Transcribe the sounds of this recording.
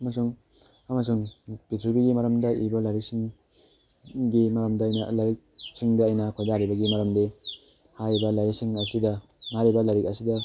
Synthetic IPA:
ɐmasuŋ | amas̬uŋpitʰɾibiɡimaɾɐmdɐibɐlaɾisiŋ | ɡimaɾɐmdaːjnalaɾik̚siŋdɐːjnɐkʰojdaɾibɐɡimaɾɐmde | haɾibɐlajɾisiŋɐsidɐŋaɾibɐlaɾik̚ɐsidɐ

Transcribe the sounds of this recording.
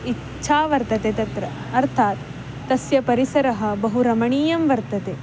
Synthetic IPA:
itːt͡ʃʰaːʋɐɾt̪ɐt̪et̪ɐt̪ɾɐ | ɐɾt̪ʰaːt̪ː | ɐsjɐpɐɾisɐɾɐɦɐ̆bɐɦuɾɐmɐɳiːjɐmʋɐɾt̪ɐt̪e

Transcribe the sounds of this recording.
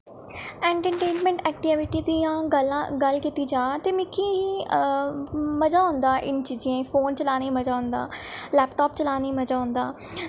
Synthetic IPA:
ɛ̃ːɳʈəʈeːnmɛ̃ɳʈɛːk̚ʈiʋɪʈiːd̪iːãːɡəlaɡəlkiːt̪iːd͡ʒaːt̪eːmɪkʰːiː | məd͡ʒaːɦʊ̃nd̪aːʔɪnt͡ʃiːd͡ʒãːpʰoːnt͡ʃəlaːniːməd͡ʒaːɦʊ̃nd̪a̰ːlɛːpʈɔːpt͡ʃəlaːniːməd͡ʒaːɦʊ̃nd̪aː

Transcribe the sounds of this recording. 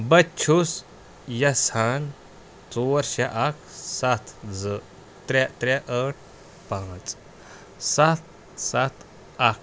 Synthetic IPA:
bətːt͡ʃʰus | jɐsan | t͡sɔɾɕɛʔakʰsat̪ʰd͡zə | t̪ɾat̪ɾaʔəʈ̚ʰ | pãːt͡s | sat̪̚ | sat̪ | ak̚ʰ

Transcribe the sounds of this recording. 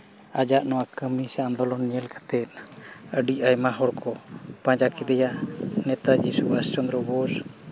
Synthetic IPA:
ad͡ʒaʔnɔwakəmisaand̪ɔlɔnːiəlkḁt̪ɛt̪̚naəɖiajmaɦɔɾkʰɔpaɲd͡ʒakid̪ɛjanɛt̪ad͡ʒisuast͡ʃɔnd̪ɾɔbɔɾ

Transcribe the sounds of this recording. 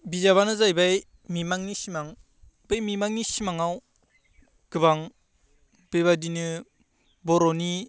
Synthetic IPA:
bizaβanɯzajbaj | mimaŋnisimaŋ | b̥ɯjmimaŋnisimaŋaw | ɡɯβaŋ | b̥eβadinɯ | bɔɾɔni

